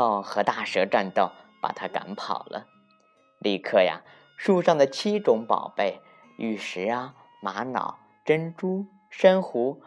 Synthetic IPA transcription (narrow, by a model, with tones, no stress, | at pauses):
ɑ˥˧˩ʊxɤ˧˥t̪a˥˩ʂɤ˧˥ʈ͡ʂa˥˧nt̪o˥˩ʊpa̰˨˩t̪ʰa˥ka̰˧˥npʰɑ˨˩ʊlʔə̰˦ | li˥˧kʰɤ˥˩ja̰˩ | ʂu˥˧ʂɑ˥˩ŋd̪ə˩t͡ɕʰi˥ʈ͡ʂʊ˧˥ŋpɑ̰˨˩ʊpe˥˩ɪ | y˥˩ʂɻ̩˧˥a˧ | ma˧˥nɑ̰˨˩˦ʊ | ʈ͡ʂə˥nʈ͡ʂu˥ | ʂə˥nxu˧˥